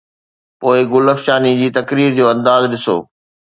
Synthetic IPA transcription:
poːɪɡʊləfʃaːnid͡ʑiːt̪ɐkɾiːɾd͡ʑoːɐ̃nd̪aːzɗɪso̰ː

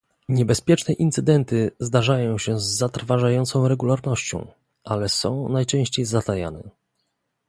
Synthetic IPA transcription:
ɲɛbɛspʲjɛt͡ʂnɛʔint̪sɘd̪ɛnt̪ɘzd̪aʐajɔ̃w̃ɕɛzːat̪ɾvaʐajɔnt̪sɔ̃w̃ɾɛɡulaɾnɔɕt͡ɕɔ̰̃w̃ | ʔalɛsɔ̰̃w̃najt͡ʂɛ̃w̃ɕt͡ɕejzat̪aja̰nɛ

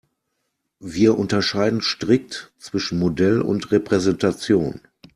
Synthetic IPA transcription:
viːɐʔʊntɐʃaɪdn̩ʃtʁ̥ɪk̚tt͡sv̥ɪʃn̩modɛlʊ̰ntʁepʁ̥ɛzɛntat͡sjoːn

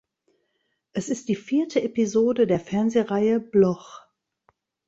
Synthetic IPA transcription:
ʔɛsɪst̚d̥iːfiːɐtʰəepizoːdədeːɐfɛɐnzeʁaɪəblɔχ

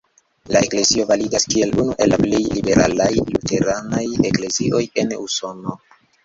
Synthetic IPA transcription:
la̰ekle̞zio̞valiɡaskie̞lunuʔelːaplejlibe̞ɾalajlute̞ɾanajekle̞ziʔo̞je̞nuso̞no̞

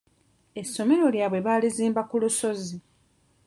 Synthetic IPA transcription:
e̞sːo̞me̞ɾo̞ljaːβwe̞βaːliziːmbakuluso̞zi

